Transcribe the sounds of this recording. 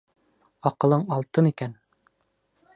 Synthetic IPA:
ɒqɤ̆lˠɤɴɑlˠt̪ɤnikæn

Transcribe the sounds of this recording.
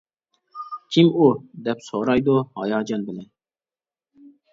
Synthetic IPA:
kʲʰimud̪ɛpsoɾɑjd̪uhɑ̰jɑːd͡ʒɑnbɪlɛn

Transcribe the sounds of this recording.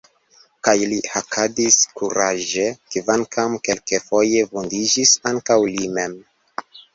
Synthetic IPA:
kajliakʰadiskuɾaʒe̞kivankʰamke̞lkefo̞je̞vondid͡ʒisaŋkawlime̞m

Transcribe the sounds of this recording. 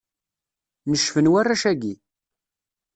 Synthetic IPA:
nəʃfənwarːæʃæɡi

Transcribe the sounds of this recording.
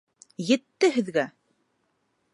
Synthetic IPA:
jɘ̆t̪ːɘɦɘ̆ðɡæ

